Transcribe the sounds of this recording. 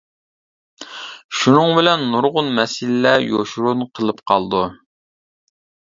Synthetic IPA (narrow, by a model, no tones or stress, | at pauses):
ʃunɨŋbɪlɛnːuɾʁʊnmɛsɪlːɛjoʃuɾunqʰəlˠɨpqʰɑlˠd̪u